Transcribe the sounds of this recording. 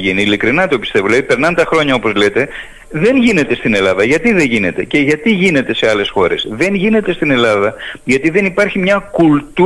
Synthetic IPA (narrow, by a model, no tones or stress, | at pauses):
ʝiniːlikɾinɐt̪o̞pist̪e̞voleðipe̞ɾnɐnt̪ɐxɾo̞ɲɐo̞po̞zle̞t̪e̞ | ðe̞nʝine̞t̪e̞st̪ine̞lɐðɐʝɐt̪iðeʝine̞t̪e̞ce̞ʝɐt̪iʝine̞t̪e̞se̞ɐle̞sxo̞ɾe̞sðe̞nʝine̞t̪e̞st̪ine̞lɐðɐʝɐt̪iðe̞nipɐɾçimɲɐkult̪u